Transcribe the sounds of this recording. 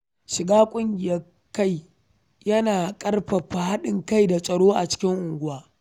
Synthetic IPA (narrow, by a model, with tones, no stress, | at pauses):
ʃɪ˨ɡaː˦kʷʼʊ˦ŋɡʲɪ˨jɐ˦ | kːa˦˨j | jɐ˦naː˨kʼɐ˦rɸɐ˨ɸa˨ha˦ɗɪ˨ŋka˦jda˨sʼɐ˨ɽoː˦ʔa̰˨t͡ʃɪ̥˦kʲɪ˦ŋʔʊ˨ŋɡʷʊ˦waː˦